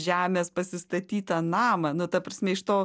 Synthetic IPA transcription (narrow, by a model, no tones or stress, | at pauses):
ʒʲæːmʲeːspɐsʲɪst̪ɐt̪ʲiːt̪ɐnɑːmɐnʊt̪ɐpɾɐsʲmʲɛɪʃt̪oː